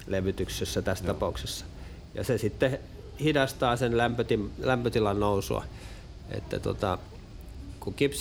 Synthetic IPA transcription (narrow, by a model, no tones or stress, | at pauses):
leʋyt̪yksesːæt̪æst̪ɑpɑˑuksesːɑ̥ | jɑ̰sesit̪ːe | hidɑst̪ɑːsenlæmpøt̪imlæmpøt̪ilɑnnouso̰ɑ̰ | ʔḛt̪ːæ̰t̪o̰t̪ɑ̰ | kukips